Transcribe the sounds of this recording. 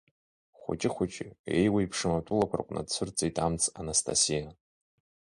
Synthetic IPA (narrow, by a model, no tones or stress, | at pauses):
χʷʊ̰t͡ʃʼɪχʷʊt͡ʃʼɪejwaipʰʂɨmatʷʼʊlakʷʰa̰kʷʼna̰dt͡sʷʰɨrt͡sʼijtʼamt͡sʰʼanastʰa̰sija